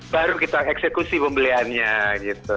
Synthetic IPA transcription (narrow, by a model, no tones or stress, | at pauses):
baɾukit̪aɛksekusipəmbəlianɲaɡit̪u